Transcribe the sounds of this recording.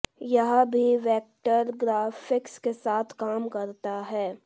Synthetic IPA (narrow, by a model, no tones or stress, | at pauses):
jɐɦbʱiʋɛːk̚ʈəɾɡɾaːfɪkskesaːt̪ʰkaːmkɐɾt̪aɦɛː